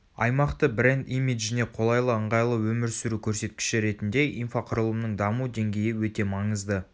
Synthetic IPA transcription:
ɑ̰jmɑqt̪əbɾe̞nd̪imiʒɪne̞qʰo̞lˠɑjlˠəəɴʁɑjlˠəwɵmɪɾsʏɾukʲʰɵɾse̞t̪̚kʲɪ̥ʃɪɾe̞t̪ɪnd̪e̞ʔinfaqʰʊɾəlˠəmnəɴd̪ɑmud̪e̞ŋɡʲe̞jɪwɵt̪e̞mɑɴəzd̪ə

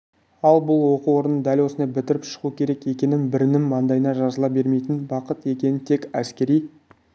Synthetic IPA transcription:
ɑlˠbʊlˠwo̞quwo̞ɾənəd̪ælʲwo̞sənd̪ebɪt̪ɪɾɪpʃə̥ʁukʲʰe̞ɾe̞kje̞kʲe̞nɪmbɪɾɪnɪmːɑnd̪ɑjənɑʒɑzəlˠɑbe̞ɾme̞jt̪ɪnbɑqət̪e̞kʲe̞nɪnt̪ʰe̞kæskʲe̞ɾij

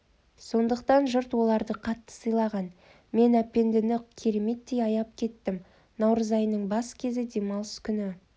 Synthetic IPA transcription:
so̞nd̪əqt̪ɑnʒʊɾt̪wo̞lˠɑɾd̪əqʰɑt̪ːə̥səjlˠɑʁɑn | me̞næpːe̞nd̪ɪnɪkʲʰe̞ɾe̞me̞t̪ːe̞jɑjɑp̚kʲʰe̞t̪ːɪm | nɑwɾəzɑjnəɴbɑskʲʰe̞zɪd̪e̞mɑlˠskʲʰʏnɪ

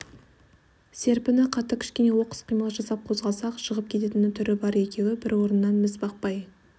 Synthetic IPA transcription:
se̞ɾpɪnɪqʰɑt̪əkʲʰɪ̥ʃkʲe̞ne̞wo̞qə̥sqʰijməlˠəʒɑsɑp̚qʰo̞zʁɑlˠsɑqʃəʁəp̚kʲʰe̞t̪e̞t̪ɪnɪt̪ʰʏɾɪbɑɾe̞kʲe̞wɪbɪɾwo̞ɾənːɑnmɪzbɑq̚pɑj

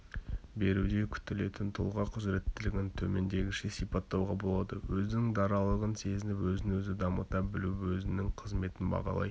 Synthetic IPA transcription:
be̞ɾud̪e̞kʲʰʏ̥t̪ɪle̞t̪ɪnt̪ʰʊ̰lˠʁɑqʰʊzɾe̞t̪ːɪlɪɡʲɪnt̪ʰɵme̞nd̪e̞ɡʲɪʃesipɑt̪ːɑwʁɑbo̞lˠɑd̪əwɵzɪnɪŋd̪ɑɾɑlˠəʁənse̞zɪnɪpwɵzɪnwɵzɪd̪ɑmət̪ɑbɪluwɵzɪnɪŋqʰəzme̞t̪ɪnbɑ̰ʁɑ̰lˠɑ̰j

